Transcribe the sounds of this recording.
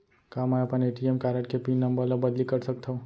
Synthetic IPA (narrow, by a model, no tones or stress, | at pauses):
kaːmɛɐpəneːʈiemkaːɾəʈkepiːnːəmbəɾləbɐd̪likɐɾsɐk̚t̪aɦũ